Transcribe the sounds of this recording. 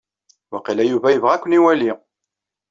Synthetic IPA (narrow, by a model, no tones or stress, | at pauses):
wæqilæjuvæjəvʁakʷniwæli